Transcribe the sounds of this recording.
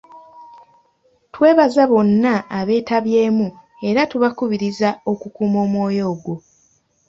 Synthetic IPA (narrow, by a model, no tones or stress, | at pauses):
twe̞ːβazaβo̞nːaːβe̞ːtaβje̞ːmu | e̞ɾatuβakuβiɾizao̞kukuːmo̞ːmwo̞ːjo̞ːɡwo̞